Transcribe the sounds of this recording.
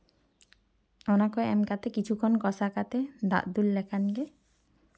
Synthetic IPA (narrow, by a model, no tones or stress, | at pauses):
ɔnakɔeɛmkat̪ɛkit͡ʃʰukʰɔnkɔsakat̪ɛd̪a̰ʔd̪ulːɛkʰanɡɛ